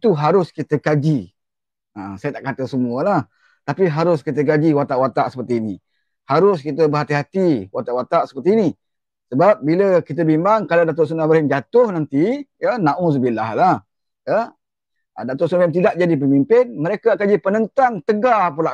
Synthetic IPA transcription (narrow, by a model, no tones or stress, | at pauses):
it̪uɦaɾʊskit̪əkad͡ʒi | əsajat̪aʔkat̪əsəmuəlah | t̪apiɦaɾʊskit̪̬ək̬ad͡ʒiwat̪aʔwat̪aʔsə̥pərt̪iːni | haɾʊskit̪̬əbəɦat̪iɦat̪iwat̪aʔwat̪aʔsə̥pərt̪iːni | səbap̚biləkit̪̬əbimbaŋkalawdat̪ʊʔsunabahɪnd͡ʒat̪ʊhnant̪ijənaʔũs̬əbilahlah | jə | ə̰dat̪ʊʔsunaɛmt̪̬idaʔ̚d͡ʒadip̬əmimpɪnməɾekakad͡ʒipənənt̪aŋt̪əɡapulaʔ